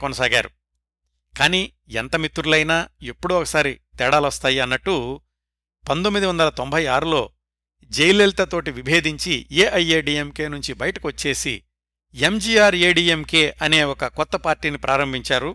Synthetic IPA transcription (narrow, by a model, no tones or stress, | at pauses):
kɔnɐsaːɡa̰ːɾu | kaːniː | ɛnt̪ɐmit̪ːuɾulɐjnaːepːuɽuɔkɐ̥saːɾit̪ɛːɽaːlʋɐst̪aːjiɐnːɐʈːu | pɐnd̪omːid̪iʋɐnd̪ɐlɐt̪ombʱɐjaːɾulo̞ː | d͡ʒejlelt̪ɐt̪o̞ːʈiʋibʱeːd̪iɲt͡ʃieːʔɐjeːɖiːemke̞ːnuɲt͡ʃibɐjɐʈɐkiʋɐt͡ʃːe̞ːsḭ | emd͡ʒiːaːɾeːɖiːemke̞ːʔɐne̞ːɔkɐkɔt̪ːɐpaːɾʈiːnipɾʔaːɾɐmbʱiɲt͡ʃaːɾu